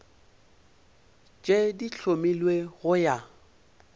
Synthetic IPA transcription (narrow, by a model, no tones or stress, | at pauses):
t͡ʃʼediɬʰomilweɣʊja